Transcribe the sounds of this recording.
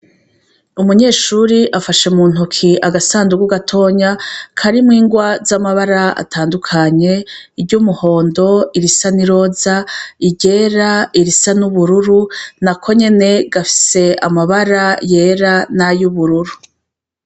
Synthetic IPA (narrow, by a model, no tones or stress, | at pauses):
umuɲe̞ːʃuɾiʔafaʃemuːn̥ukʰiʔaɡasaːnduɡuɡatʰo̞ɲakʰaɾimŋiːŋɡwazamaβaɾaa̰tʰaːndukʰaɲe̞ibɟumuho̞ːndo̞iɾisaniɾo̞ːzaiɟe̞ːɾaiɾisanuβuɾuɾunakʰo̞ɲe̞ne̞ɡafi̥se̞amaβaɾaje̞ːɾanajuβuɾuɾu